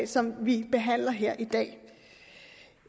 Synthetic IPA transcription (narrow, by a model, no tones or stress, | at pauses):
sɒ̽mʋib̥e̝ɦæn̰lɐɦeɐ̰ʔid̥ɛ̰ː